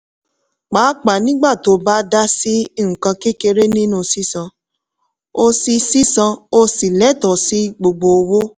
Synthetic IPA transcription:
k͡paː˨˦k͡pa˨nĩ˦ɡ͡ba˦˨to˨˦ba˦da˦si˦i˦˨ŋ̩̃˨kã˧ke˦ke˧ɾe˦nĩ˦nũ˦˨si˦sã˧ | o˧si˧si˦sã˧o˧si˨lɛ˨˦tɔ˨si˦ɡ͡bo˧ɡ͡bo˧wo˦

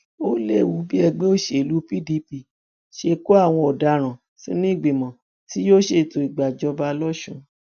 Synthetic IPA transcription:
o˦le˦˨wu˨˦bi˦ɛ˧ɡ͡be˦o˦˨ʃe˨lu˨˦pi˦di˧˦pi˧˨ | ʃe˧ko˦a˦˨w̃ɔ̃˧ɔ˨da˨˧ɾ̃ã˨ | sĩ˦nĩ˦i˦˨ɡ͡bi˨mɔ̃˨ | ti˦jo˦ʃe˧˨to˧˨i˨ɡ͡ba˨d͡ʒɔ˧ba˧lɔ˦ʃũ˧

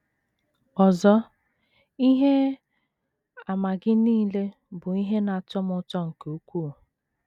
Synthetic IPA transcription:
ɔ˨zɔ˦ | i˦ɦe˦ | a˨ma˨ɡɪ˦niː˦le˦ | bʊ˨i˦ɦe˦na˨t͡ʃɔ˦m˦ʊ˦t͡ʃɔ˦ŋ̩˨ku˦kʷuː˦˨

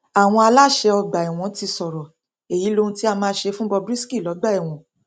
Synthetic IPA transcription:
a˨w̃ɔ̃˧a˧la˦ʃe˧ɔ˧ɡ͡ba˨i˨w̃ɔ̃˨˦ti˧sɔ˨ɾɔ˨ | e˨ji˨˦lo˧ũ˧ti˦a˦˧mãː˦˧˦ʃe˧fũ˦bɔ˧bɾi˦ski˦˨lɔ˨˦ɡ͡ba˦˨i˨w̃ɔ̃˨˦

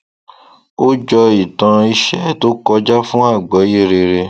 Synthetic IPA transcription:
o˦d͡ʒɔ˧i˨tã˧i˧ʃɛ˦˨to˦kɔ˧d͡ʒa˦fũ˦a˦˨ɡ͡bɔ˨˦ji˦˨ɾe˧ɾe˧

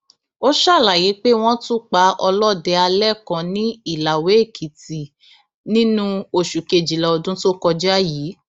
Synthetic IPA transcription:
o˦ʃa˦˨la˨je˨˦k͡pe˦w̃ɔ̃˦tũ˦k͡pa˨˦ʔɔ˧lɔ˦˨dɛ˧˦a˧lɛ˦˨kã˧nĩ˦i˦˨la˨we˨˦e˦˨kʰi˨ti˨ | nĩ˦nũ˦o˧˨ʃu˨ke˨d͡ʒi˨lɛ˨ɔ˧dũ˦to˦kɔ˧d͡ʒa˦jiː˨˦

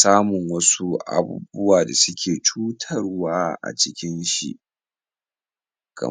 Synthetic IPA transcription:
saː˦mʊ˨ŋwɐ˦su˦ʔa̰˦bṵː˦bʊ˦waː˨da˨sʊ˦kʲʰeː˨t͡ʃuː˦tʰɐ˦rwaː˦ʔa̰˨t͡ʃɪ˦kʲɪ˦nʃḭ˨ʔ | kʰɐ̰˨

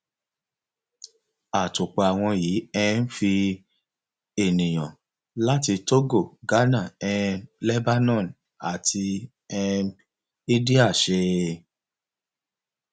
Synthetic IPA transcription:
a˨tu˨k͡pa˨˧a˨w̃ɔ̃˧jiː˨˦ɛ˧n̩˦fi˧ | e˨nĩ˨j̃ɔ̰̃˨ | la˦ti˧to˦ɡo˦˨ɡa˦nã˦˨ɛ˧lɛ˦ba˦nɔ̃˦˨n | a̰˨tʰi˧ | ɛ˧ | i˦di˦a˦˨ʃe˧

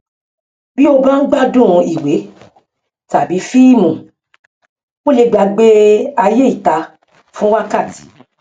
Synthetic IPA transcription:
bi˦o˧ba˦n̩˦ɡ͡ba˦dũ˦˨ɔ̃˧i˨we˨˦ | ta˨bi˨˦fi˦˨mũ˨ | o˦le˧ɡ͡ba˧ɡ͡be˦a˧je˦i˦˨ta˧ | fũ˦wa˦ka˦˨ti̥˨

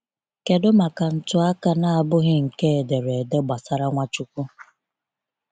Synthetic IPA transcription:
ke˨dʊ˦ma˨ka˨n̩˦˨tʊ˦a˦ka˦na˦a˨bʊ˦ɣɪ˦ŋ̩˨ke˦˨de˨ɾe˨de˦ɡ͡ba˨sa˦ɾa˦ŋʷa˦t͡ʃu˦kʷu˦

